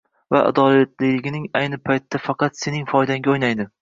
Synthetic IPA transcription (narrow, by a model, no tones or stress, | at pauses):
vaʔa̰d̪ɒlat̪lɪlɪɡʲɪnɪŋajnɪpʰajt̪ʰːafɑqɑt̪se̞nɪŋfɒjd̪aŋɡʲaojnajd̪ɪ